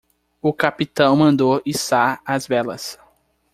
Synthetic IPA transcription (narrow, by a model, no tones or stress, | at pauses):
ʊkapit̪ɐ̃w̃mɐ̃nd̪oisaɐzbɛlɐ̰s